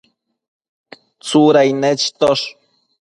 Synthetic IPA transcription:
t͡suɾajnet͡ʃt̪oʂ

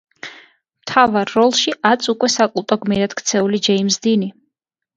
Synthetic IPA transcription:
mt̪ʰavaɾːɔlˠʃiʔat̪sʰʼukʼwɛsakʼulˠt̪ʼɔɡmiɾad̪̥kʰt̪sʰɛulid͡ʒɛimsd̪ini

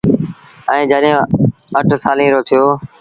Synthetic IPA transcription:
ɛ̃ːd͡ʒəɗɦẽ | əʈʰsaːlĩːɾoːt̪ʰɪjoː

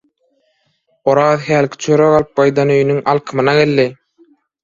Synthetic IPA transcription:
oɾɑːðhæːlkʰʲi̥t͡ʃʰøɾøɣɑlˠɯp̚ɡɑjd̪ɑnøjynyŋɑlˠqʰɯmɯnɑɡelːi

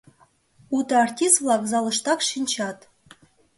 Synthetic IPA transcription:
ut̪ɤartʲist̪vlˠɑkzɑlˠɤ̆ʃt̪ɑkʃinʲt͡ɕɑt̪

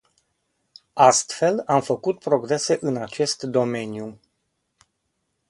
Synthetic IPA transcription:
ast̪fe̞lamfəkut̪̚pɾo̞ɡɾe̞se̞ʔɨnat͡ʃe̞st̪d̪o̞me̞nju

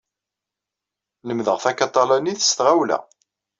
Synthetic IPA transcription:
ləmðəʁθækɑt̪ˤːɑlæniθə̥st̪ʁawlæ̰

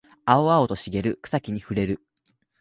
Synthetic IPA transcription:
aoaot̪o̞ɕiɡe̞ɾɯ̟kɯ̟̥sakʲiɲ̟iɸɯ̟ɾe̞ɾɯ̟

